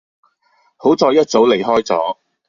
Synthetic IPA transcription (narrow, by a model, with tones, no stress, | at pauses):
ho˨˥wt͡sɔː˧jɐ˥t̚t͡so˨˥wle˨˩jɦɔː˥jt͡sɔ̰ː˨˥